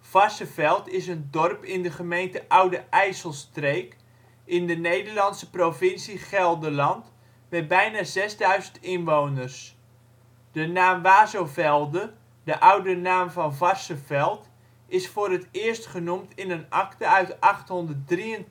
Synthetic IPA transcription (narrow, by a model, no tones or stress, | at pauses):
v̥ɑrsəvɛlˠtɪsəndɔrpɪndəχəmejntəʔʌwdəʔɛjsəlˠstrejk | ɪndənejdərlɑntsəprofɪnsiχɛlˠdəlɑnt | mɛtbɛjnazɛzdœɥzəntɪnʋownərs | d̥ənaːmʋaːzowvɛlˠdə | dəʔʌwdənaːmvɑnvɑrsəvɛlˠt | ɪsfoːrətɪərstχənumtɪnənɑktəœɥtɑχtɦɔndərt̚driən